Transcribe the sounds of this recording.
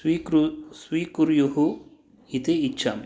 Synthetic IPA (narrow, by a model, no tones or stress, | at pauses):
isʋiːkuɾjuɦu | it̪eitːt͡ʃʰːam